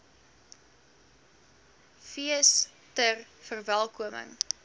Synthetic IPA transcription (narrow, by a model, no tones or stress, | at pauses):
fiəs | tərfərvælˠkuəmə̰ŋ